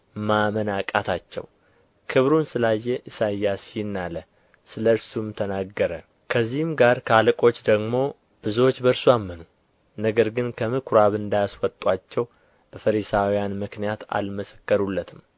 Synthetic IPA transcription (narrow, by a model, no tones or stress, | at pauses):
mamənakʼat̪ʰat͡ʃːɛ̰w | kʰɨβɾunsɨlajːeʔɨsajːasnːalə | sɨləɾsumt̪ʰənaɡːəɾə | kʰəzːihɨmɡaɾkʰalɨkʼo̞t͡ʃːd̪əɡmo̞ | b̥ɨzuwo̞t͡ʃːbəɾsujamːənu | nəɡəɾɡɨnkʰəmɨkʰɾaβɨnd̪ajaswɔt̪ʼːat͡ʃːɛw | b̥əfəɾisawijanmɨknijat̪a̰lməsə̥kːəɾulːət̪ʰɨm